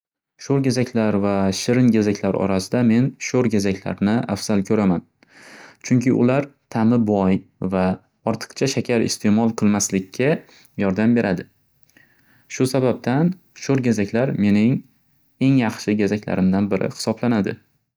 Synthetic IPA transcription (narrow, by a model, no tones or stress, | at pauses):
ʃoɾɡʲazakʲlaɾvaʃɪɾɪnɡʲazakʲlaɾɒ̰ɾasɪd̪ame̞nʃoɾɡʲazakʲla̰ɾnɪa̰fz̥alˠkʲʰɵɾaman | t͡ʃʰʊŋkʲʰɪʔʊ̰laɾt̪ʰamɪbɒjva | ɒɾt̪ʰɨ̥qt͡ʃʰaʃakʲʰaɾɪ̰st̪ʰe̞mɒlˠqʰɨlˠmaslɪkʲʰːa | jɒɾd̪ambe̞ɾʔad̪ɪ | ʃʊsabab̚t̪ʰan | ʃoɾɡʲazakʲlaɾme̞nɪŋ | e̞ŋjɑχʃɪɡʲazakʲla̰ɾɪmd̪anbɪɾʔɪ̰hɪ̥sɒblanad̪ɪ̰